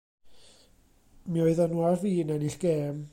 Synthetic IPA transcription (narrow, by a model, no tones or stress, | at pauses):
miɔɨðanuaviːnaniɬɡ̥eːm